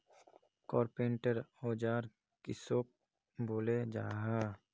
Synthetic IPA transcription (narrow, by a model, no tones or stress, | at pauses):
kɔːɾpẽːɳʈəɾoːd͡ʒaːɾ | kɪsoːk̚ | boːled͡ʒaːɦa